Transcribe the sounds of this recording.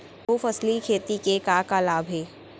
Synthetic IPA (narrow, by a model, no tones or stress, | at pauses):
ofəslikʰeːt̪ikekakaːlaːbʱeː